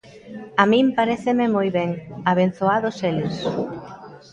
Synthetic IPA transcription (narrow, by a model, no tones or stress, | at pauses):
amĩmpaɾeθememojβɛŋaβen̟θoaðoselus